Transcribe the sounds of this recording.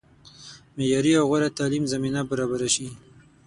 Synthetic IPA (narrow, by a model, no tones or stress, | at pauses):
mejɑɾiawɣaɾat̪ɑlimzaminabaɾɑbaɾaʃi